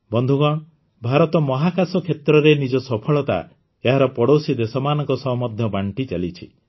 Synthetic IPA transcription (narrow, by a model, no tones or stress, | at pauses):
bɔnd̪ʱuɡɔɽ̃ | bʱaɾɔt̪ɔmɔɦakʰasɔkʰet̪ɾɔɾenid͡ʒɔsɔpʰɔɭɔt̪a̰ | eɦaɾɔpɔɽosid̪esɔmanɔŋkɔsɔɦmɔd̪ʱjɔbaɳʈit͡ʃalit͡ʃʰḭ